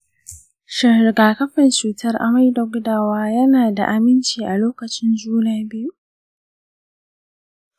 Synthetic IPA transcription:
ʃɪ˨ɡaː˨kɐ˦ɸɪ˨nt͡ʃuː˨tʰɐ˦rʔa̰˨ma˦jdɐ˨ɡʷʊ˦daː˨waː˦jɐ˦naː˨da̰˨ʔa˨mɪ˦nt͡ʃiː˨ʔa˨loː˦kɐ˨t͡ʃɪ˦nd͡ʒuː˦naː˦˨bɪ˦ju˦

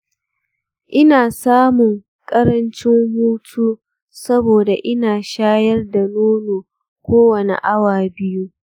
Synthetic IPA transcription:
ʔɪ˦naː˨saː˦mʊ˨ŋ | kʼɐ˦ɾɐ˦nt͡ʃɪ˦ŋhuː˦tʰuː˦ | sɐ˦boː˨da˨ʔɪ˦naː˨ʃaː˦jɐ˦rda˨loː˦loː˨ | kʷoː˦wɐ˨nḛ˨ʔa˦waː˨bɪ˦ju˦

